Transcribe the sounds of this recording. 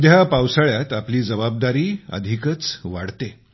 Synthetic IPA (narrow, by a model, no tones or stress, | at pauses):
d̪ʱjapawsaɭjat̪apliːd͡zəbab̚d̪aɾiːə̰d̪ʱikət͡sʋa̰ɽt̪e